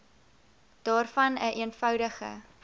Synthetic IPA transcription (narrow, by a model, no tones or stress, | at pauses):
d̥ɑːrfɐnəʔiənfœwdəχə̰